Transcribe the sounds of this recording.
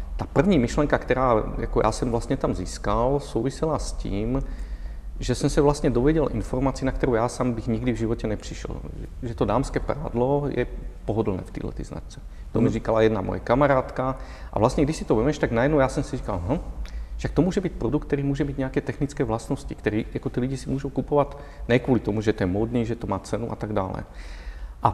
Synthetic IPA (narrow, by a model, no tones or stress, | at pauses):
t̪aːpr̩ʋɲiːmiʃlɛŋkakt̪ɛɾaːja̰kɔjʔa̰ːsɛmvlast̪ɲɛt̪amziːskalsuːʋisɛlasc̪ḭːm | ʒɛsɛmsaʋlast̪ɲɛd̪ɔʋɛɟɛlʔḭnfɔɾmaːt͡siːnakt̪ɔɾɔːjaːsaːmbiɣɲiɡd̪ivʒiʋɔcɛnɛpr̥iʃɛ̰lʒɛʒɛt̪ɔd̪aːmskɛːpɾa̰ːd̪lɔjɛ̰pɔɦɔd̪l̩nɛ̰ːft̪ḭːdlɛ̰t̪ḭːzna̰t͡ʃt͡sɛ̥ | t̪ɔmiriːkalajɛd̪namɔ̰ja̰kamaɾaːt̪kaʔa̰ʋlast̪ɲɛɡd̪isit̪ɔʋɛmɛʃt̪aɡnajɛd̪nɔʊjaːsɔmsiriːkalɦəʃak̚t̪ɔmʊɔːʒɛbic̚pɾɔd̪ukt̪ɛɾiːmʊɔːʒɛbiɟɲɛakɛt̪ɛxnit͡skɛːʋlasnɔscikt̪ɛɾiːjakɔt̪iːluɟisimwɔːʒuwkupɔʋat | nɛkwɔlit̪ɔmuʒɛt̪ɔjɛmɔd̪niːʒɛt̪ɔmaːt͡sɛnuʔa̰t̪aɡda̰ːlɛ̰ | ʔa